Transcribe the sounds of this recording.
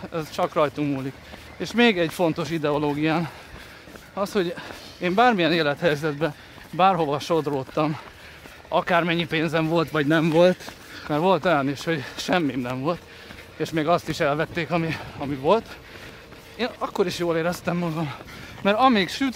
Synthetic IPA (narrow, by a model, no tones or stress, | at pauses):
ɛzt͡ʃɒkrɒjt̪umːuːlik | eːʃmeːɡɛɟfo̞nt̪o̞ʃid̪ɛoloːɡijaːn | ɒsho̞ɟ | eːmbaːrmijɛneːlɛt̪hɛjzɛd̪bɛ | baːrho̞vɒʃo̞d̪roːt̪ːɒm | ɒkaːrmɛɲːipeːnzɛɱvo̞lt̪ʋɒɟnɛɱvo̞lt̪ | mɛɾʋo̞lt̪ɛneʃho̞ɟʃɛmːinɛɱvo̞lt̪ | eːʃmeːɡɒst̪iʃɛlvɛt̪ːeːkɒmiɒmivo̞lt̪ | eːnɒkːo̞ɾiʃjoːleːɾɛst̪ɛmːɒɡɒmːɛɾɒmeːkʃyt̪